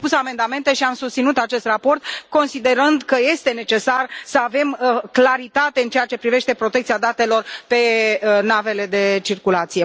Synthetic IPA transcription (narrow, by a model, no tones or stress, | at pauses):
pusame̞nd̪ame̞nt̪e̞ʃiamsust̪sinut̪at͡ʃe̞st̪rapo̞rt̪̚ko̞nsid̪e̞ɾɨnd̪kəje̞st̪e̞ne̞t͡ʃe̞sarsəave̞mklaɾit̪at̪e̞ɨnt͡ʃe̞jat͡ʃe̞pɾive̞ʃt̪e̞pɾo̞t̪ekt̪sijad̪at̪e̞lo̞rpe̞nave̞le̞d̪e̞t͡ʃirkulat̪sije̞